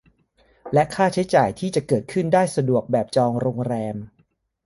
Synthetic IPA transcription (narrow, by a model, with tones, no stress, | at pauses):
lɛ˦˥ʔkʰaː˥˩t͡ɕʰa˦˥jt͡ɕaː˨˩jt̪ʰiː˥˩t͡ɕa˨˩kɤː˨˩t̪̚kʰɯ˥˩ndaː˥˩jsa˧du˨˩ək̚bɛː˨˩p̚t͡ɕɔː˧ŋɾoː˧ŋɾɛː˧m